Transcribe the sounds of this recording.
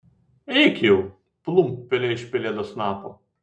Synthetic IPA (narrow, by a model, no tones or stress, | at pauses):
ɛɪkʲjɛʊ | plˠumpʲɛlʲɛɪʃʲpʲɪlʲeːd̪oːsnɑːpo